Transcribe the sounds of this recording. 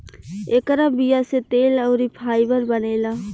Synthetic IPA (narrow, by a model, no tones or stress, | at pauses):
eːkɾabijaset̪eːləʊɾipʰaːɪbəɾbəneːlaː